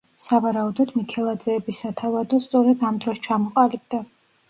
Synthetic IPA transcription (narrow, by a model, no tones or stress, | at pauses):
savaɾaud̪ɔd̪mikʰɛlˠad̪zɛːbisat̪ʰavad̪ɔst̪sʼɔɾɛd̪amd̪ɾɔst͡ʃʰamɔqʼalib̚d̪a